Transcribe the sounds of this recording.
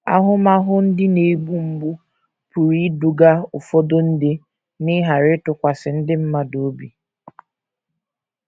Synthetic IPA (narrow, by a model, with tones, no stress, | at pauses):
a˦ɦʊ˦ma˦ɦʊ˦n̩˦dɪ˦ne˨ɡ͡bu˦m̩˦ɡ͡bu˦ | pu˨ɾi˦du˨ɡa˦ʊ˨fo˦do˦n̩˦de˦ | nɪ˦ɦa˨ɾɪ˦tʊ˨kʷa˨sɪ˨n̩˦dɪ˦m̩˦ma˦do˨˦bi˨